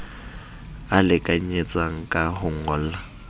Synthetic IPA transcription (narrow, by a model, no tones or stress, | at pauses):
alɪkʼaɲ̩et͡sʼaŋ̩kʼahʊŋ̩ɔl̩a